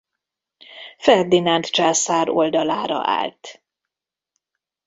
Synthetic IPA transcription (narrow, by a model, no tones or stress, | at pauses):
fɛrd̪inant̪t͡ʃaːsaːɾo̞ld̪ɒlaːɾɒ̰ʔa̰ːlt̪